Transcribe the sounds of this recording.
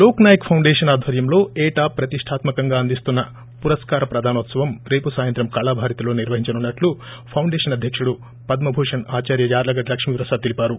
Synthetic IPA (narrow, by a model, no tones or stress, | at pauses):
loːknaːjɐkpʰɐwɳɖeːʂɐnaːd̪ʱʋɐɾjɐmlo̞ːeːʈaːpːɾɐt̪iʂʈʰaːt̪mɐkɐŋɡaːɐnd̪ist̪unːɐ | puɾɐskaːɾɐpɾɐd̪ʱaːnot̪sɐʋɐmɾe̞ːpusaːjɐnt̪ɾɐmkaːɭaːbʱaːɾit̪ɐlo̞ːniɾʋɐɦiɲt͡ʃɐnunːɐʈlupʰɐwɳɖeːʂɐnɐd̪ʱjɐkʂuɽu | pɐd̪mɐbʱuːʂɐnaːt͡ʃaːɾjɐd͡ʒaːɾlɐɡɐɖlɐkʂmiːʋɾɐsaːd̪t̪ilipaːɾu